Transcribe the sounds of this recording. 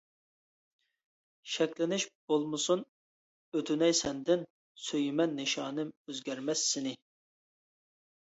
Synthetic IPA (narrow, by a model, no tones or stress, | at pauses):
ʃɛkʲlɪnɪʃb̥olˠmɨsun | øt̪ʰynɛjsɛnd̪ɪn | søjymɛnːɨʃɑːnɨmøzɡʲɛɾmɛsːɪnɪ